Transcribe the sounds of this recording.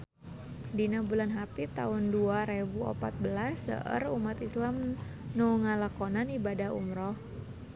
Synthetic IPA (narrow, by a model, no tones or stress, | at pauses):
dinabulanɦapit̪aʊnduaɾebuɔ̰pat̪̚bəlasə̰ʔə̰rumat̪islamnuŋalakɔnanibadahṵmɾɔh